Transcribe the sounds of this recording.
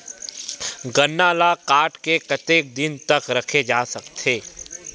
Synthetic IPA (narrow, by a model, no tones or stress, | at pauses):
ɡɐnːaːlakaːʈkekɐt̪eːk̚d̪ɪnt̪ɐkɾɐkʰed͡ʒaːsɐkt̪ʰeː